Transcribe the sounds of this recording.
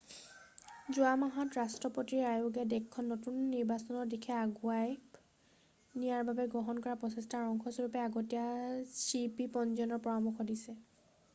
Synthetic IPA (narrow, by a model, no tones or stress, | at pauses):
zuamaɦɔtɹastɹɔpotiajuɡɛdɛkʰːɔnːotunːiɹbasɔnɔɹdikʰɛaɡuaj | nijaɹbabɛɡɔɦɔnkɔɹapɹɔsɛstaɹɔŋkʰɔsɔɹupɛaɡotijasipipɔnzɔnɔɹpɔamuxɔdisɛ